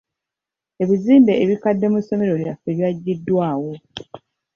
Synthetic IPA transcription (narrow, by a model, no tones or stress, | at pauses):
e̞βiziːmbe̞ːβikadːe̞muso̞me̞ɾo̞liafeβjaɟːidːwaːwo̞